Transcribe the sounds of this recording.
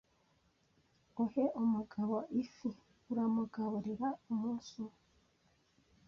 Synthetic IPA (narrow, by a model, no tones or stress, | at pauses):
uheʔomuɡaβoʔifi | uɾamuɡaβuɾiɾaumuːsu